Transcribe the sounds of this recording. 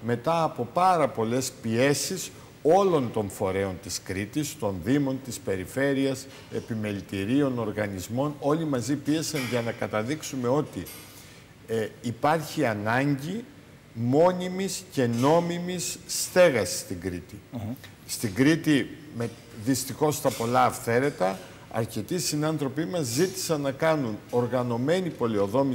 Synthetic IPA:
me̞t̪ɐːpo̞pɐɾɐpo̞le̞spie̞sis | o̞lo̞nt̪o̞ɱfo̞ɾe̞o̞nt̪iskɾit̪ist̪o̞nðimo̞nt̪ispe̞ɾife̞ɾiɐs | e̞pime̞lit̪iɾio̞no̞ɾɣɐnizmo̞no̞limɐzipie̞sɐnʝɐnɐkɐt̪ɐðiksume̞o̞t̪i | ipɐɾçiɐnɐɲɟi | mo̞nimisce̞no̞mimisːt̪e̞ɣɐsi̥st̪iŋɡɾit̪i | st̪iŋɡɾit̪ime | ðist̪ixo̞st̪ɐpo̞lɐːfθe̞ɾe̞t̪ɐ | ɐ̰ɾce̞t̪isinɐnθɾo̞pimɐzːit̪i̥sɐnːɐkɐnuno̞ɾɣɐno̞me̞nipo̞lio̞ðo̞mi

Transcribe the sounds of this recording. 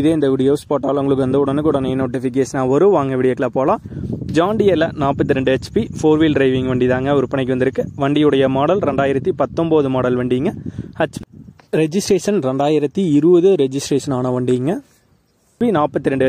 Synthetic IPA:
ɪðeːɪnd̪ɐʋɪɽɪjoːspaːʈːaːlʊŋɡɐɭɯkːɯʋɐnd̪ɯʊɽɐnːɯkːuːɽɐnɐnoːʈːɪfɪk̬eːʂɐnaːɔɾɯʋaːŋɡɐʋɪɽɪjɐːkːlaːpoːlãːd͡ʒaːɳɖɪjɐlɐnaːpːɐt̪ːɪɾɛɳɖɯɛt͡ʃːpifoːɾʋiːlɖɾɐɪʋɪŋɡʋeːɳɖiðaːŋɡɐɔɾɯpɐɳɪkːʋɐnd̪ɪɾɯkːɯʋɐɳɖɪjɯɽɐjɐmaːɽɐlɾɛɳɖaːjɪɾɐt̪ːipɐt̪ːɔmboːðɯmaːɽɐlʋeːɳɖiːŋɡɐhɐt͡ʃː | ɾɛd͡ʒɪsʈɾeːʂɐnɾɛɳɖaːjɪɾɐt̪ːiɪɾɯʋɐðɯɾɛd͡ʒɪsʈɾeːʂɐnaːnɐʋɐːɳɖiŋɡɐ | pinaːpːɐt̪ːɪɾɛɳɖɯ

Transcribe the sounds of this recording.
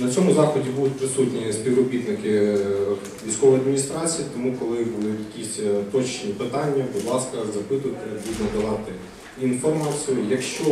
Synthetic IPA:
nɐt͡sʲɔmʊzɑxlˠɔdʲibud̪ʊt̚ʲpɾɪsutʲnʲisʲpʲiʋrɔbʲit̪nɪkɪ | ʋʲijsʲkɔʋɔjɐd̪mʲinʲist̪ɾɑt͡sʲijɐt̪ɔmukɔlˠɪbulˠjɐkʲisʲt̪ɔt͡ʃnʲipɪt̪ɑnʲːɐbud̪lˠɑskɐzɐpɪt̪ʊjt̪ɪbud̪nɐd̪ɐʋɑt̪ɪ | infɔrmɑt͡sʲijʊjɐkʃt͡ʃɔ

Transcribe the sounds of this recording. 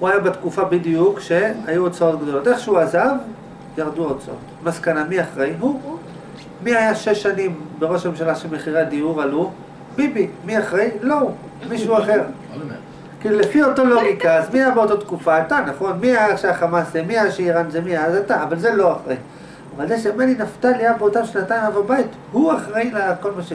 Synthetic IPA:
huajabet̪kufabidijukʃe̞ajuot͡sao̞tɡd̪o̞lo̞tʔe̞χʃeuazav | jaʁd̪uot͡sao̰t | maskanamiaχʁe̞jɦu | miajaʃeʃːanimbeʁo̞ʃmemʃalaʃelmeχiʁad̪iuʁalu | mibimiaχʁe̞jlo̞ | miʃuaχe̞ʁ | kilulefio̞to̞lo̞mikazmiajabeo̞tot̪kufaːt̪anaχo̞nmiajaʃeaχamasemiajaʃeiʁanzemiajazataːvalze̞lo̞aχʁei | avalzeʃamelinaftaliabeotamʃnatajmavabait | huaχʁailako̞lmaʃe

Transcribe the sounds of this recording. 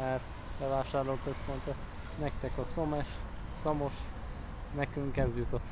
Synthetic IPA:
ɛrt̪ | bɛvaːʃaːrloːkø̞spo̞nt̪o | nɛk̚t̪ɛkɒso̞mɛʃ | somo̞ʃ | nɛkyŋkɛzjut̪ot̪ː

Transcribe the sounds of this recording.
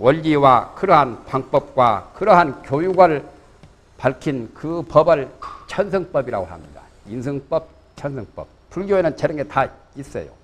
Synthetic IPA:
wʌʎːiwakɯɾʌɦanpaŋp͈ʌp̚k͈wa̰kɯɾʌɦankjojuɡaɭ | paɭkʰinkɯpʌbɯɭt͡ɕʰʌnsʰɯŋp͈ʌbiɾa̰ɡoɦa̰mɲida̰ | insʰɯŋp͈ʌp̚ | t͡ɕʰʌns̬ʰɯŋp͈ʌp̚pʰuɭɡjoenɯnt͡ɕʰeɾɯŋetʰa | is͈ʌ̰jo̰

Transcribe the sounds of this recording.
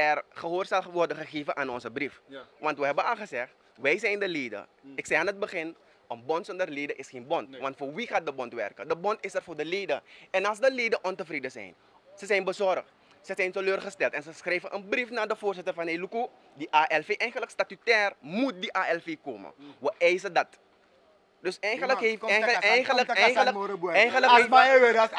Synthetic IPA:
ɛrχəɦoːrsɛlxʋɔrdəxəχeːvəʔaːnɔnsəbrifʋɑntʋəɦɛbənɑlˠxəzɛxt | ʋɛjsɛjndəleːdə̰ɪksɛjaːnət̚bəxɪn | ənbɔntsɔndərleːdəʔɪsxeːnbɔntʋɑntfoːrʋixaːt̚dəbɔntʋɛ̰rkədəbɔntɪsɛrfoːdəleːdə̰ɛnɑlˠsdəleːdəʔɔntəfriːdəsɛ̰jn | səsɛjnbəsɔrəx | səsɛjntəløːrχəstɛltɛnsəsxrɛjvəʔənbrifnaːdəfoːrsɪtərfɑneluku | diʔaːʔɛlfeʔɛjɣələkstatytɛːrmut̚diʔaːɛlfeːko̰ːmə̰ʋəʔɛjsədɐt | døsɛjxələɦeɛjxələkɛjxələɛjxələke

